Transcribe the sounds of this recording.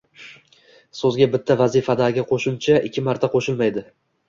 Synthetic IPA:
sɵzɡʲabɪt̪ʰːavazifad̪aɾɡʲaqʰoʃʊmt͡ʃʰaʔɪ̰kʲʰːɪmaɾt̪ʰaqʰoʃɪlmajd̪ɪ

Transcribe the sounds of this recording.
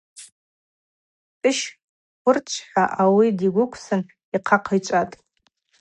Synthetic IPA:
tʼɨʃ | χʷʊrt͡ʃʷʰħaʔawidiɡʷʊkʷʰsɨn | iqʰaqʰajt͡ʃʷʼatʼ

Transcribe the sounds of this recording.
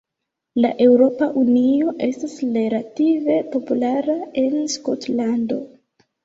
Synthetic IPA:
laʔe̞wɾo̞paʔunio̞ʔe̞stasleɾative̞po̞pulaɾae̞nskotlando̞

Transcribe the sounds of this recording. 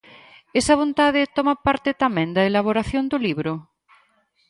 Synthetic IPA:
esɐβ̞ont̪aðet̪ɔmapaɾt̪et̪amɛ̃nd̪ɐelaβ̞oɾaθjond̪oliβɾʊ

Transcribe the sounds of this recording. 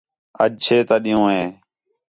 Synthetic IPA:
ə̰ʄt͡ʃʰeːt̪aːɗɪjõːɦẽː

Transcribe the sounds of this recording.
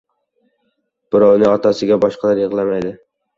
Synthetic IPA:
b̥ʊɾɒwnɪŋɒt̪ʰasɪɡʲabɒʃqɑlaɾjɪʁlˠamajd̪ɪ

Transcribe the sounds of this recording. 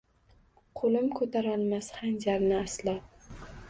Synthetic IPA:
qʰolɪmkʰɵt̪ʰaɾalˠmashand͡ʒaɾnɪaslap

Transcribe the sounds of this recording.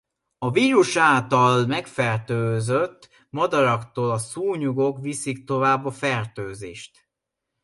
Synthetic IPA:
ɒviːɾuʃaːlt̪ɒlmɛkfɛrt̪øːzøt̪ː | mɒd̪ɒɾɒkt̪oːlɒsuːɲuɡo̞kʋisik̚t̪o̞vaːbːɒfɛrt̪øːzḛːʃt̪

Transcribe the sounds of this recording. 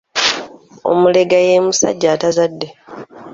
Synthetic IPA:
o̞̰mule̞ɡaje̞ːmusa̰ɟːaːtazadːe̞

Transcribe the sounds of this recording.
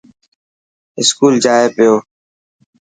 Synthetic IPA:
ɪskuːld͡ʒaːeːpɪjoː

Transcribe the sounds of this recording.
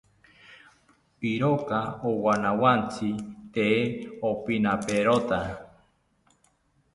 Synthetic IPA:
piɾokaowanawant͡sʰit̪eopinapeɾot̪a

